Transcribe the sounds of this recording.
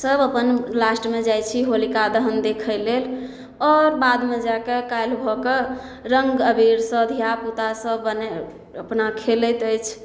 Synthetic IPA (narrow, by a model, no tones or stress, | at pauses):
səbəpənlasʈmed͡ʒajt͡ʃʰiɦolikad̪əɦənd̪ekʰəlel | ɔɾbad̪med͡ʒakekajlbʱɔke | ɾəŋɡəbiɾsə̃d̪ʱjaput̪asəbəne | əpnakʰelət̪əjt͡ʃʰ